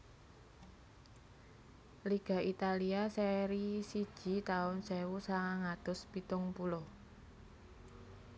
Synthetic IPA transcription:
liɡ̥a̤ʔit̪aliasɛɾisid̥ʒ̥i̤t̪aʊnsɛwusaŋaŋad̪̥ʊ̤spit̪ʊŋpulɔ

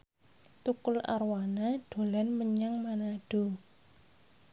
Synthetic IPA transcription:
t̪ukʊla̰rwanaɖ̥o̤lanməɲaŋmanaɖ̥o̤

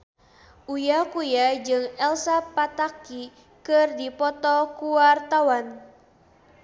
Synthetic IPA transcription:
ʔujakujad͡ʒɨŋɛlsapat̪aki | kɨrdipɔt̪ɔkuwart̪awan

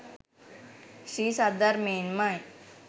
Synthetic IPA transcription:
ʃiːsad̪əɾmeːnmaj

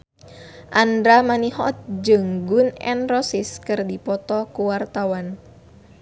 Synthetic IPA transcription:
ʔandɾamaniɦɔt̪̚d͡ʒɨŋɡʊnɛ̰nrɔsiskɨrdipɔt̪ɔkuwart̪awan

